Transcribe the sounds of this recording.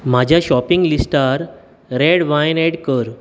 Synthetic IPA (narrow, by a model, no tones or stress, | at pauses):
m̤ad͡ʑʱjaɕɔpiŋɡlisʈaɾ | ɾeɽʋajneɽkəɾ